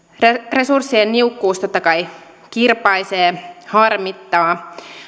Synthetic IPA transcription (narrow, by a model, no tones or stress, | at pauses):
re̞sursːienniukːuːst̪ot̪ːɑkɑj | kirpɑjseːhɑrmit̪ːɑː